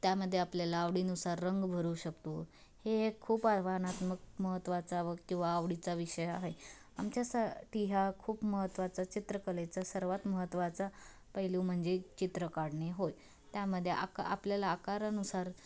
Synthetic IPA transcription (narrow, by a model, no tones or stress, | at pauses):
t̪jaməd̪ʱːjeapljalaːʋɽiːnusaɾːəŋɡbʱəɾuːɕəkt̪o | hekʰuːpaɾʋanat̪mək̚məɦət̪ːʋat͡saʋəkĩw̃ʋaːʋɽit͡saʋiɕəjaɦe | amt͡ɕjasaʈʰiɦjakʰuːpməɦət̪ːʋat͡sat͡ɕit̪ɾəkəlet͡sasəɾʋat̪məɦət̪ːʋat͡sa | pəɦiluːm̤əɳd͡zet͡ɕit̪ɾəkaɽɳeɦoj | t̪jaməd̪ʱːjeʔa̰ka̰pljalaːkaɾənusaɾ